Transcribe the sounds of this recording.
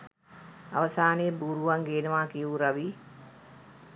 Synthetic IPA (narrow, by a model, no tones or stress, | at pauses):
ɐʋɐsaːneːbuːɾuʋɐŋɡeːnɐʋaːkijuːɾɐʋiː